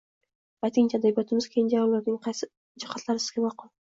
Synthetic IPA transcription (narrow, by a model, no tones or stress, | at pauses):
bajt̪ʰɪŋt͡ʃʰad̪abijɒt̪ʰɪmɪzkʲʰejɪnd͡ʒajɒmlaɾnɪŋqʰɑjsɪ | d͡ʒɪχat̪ʰlˠaɾɪsɪzɡʲemɑqʊlˠ